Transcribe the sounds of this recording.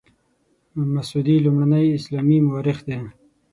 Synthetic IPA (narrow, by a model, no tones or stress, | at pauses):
masud̪ilumɽanəjɪslɑmimawɑɾɪxd̪e